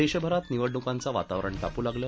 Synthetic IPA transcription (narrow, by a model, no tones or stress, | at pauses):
eɕəbʱəɾat̪niʋəɖnukãnt͡saʋa̰t̪aʋɾəɳʈapuːlaɡləː